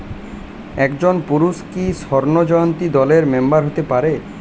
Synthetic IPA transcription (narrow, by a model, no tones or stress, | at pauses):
ɛkd͡ʑonpuɾuʃkiʃɔɾnod͡ʑɔjont̪id̪ɔleɾmembaɾɦot̪epaɾe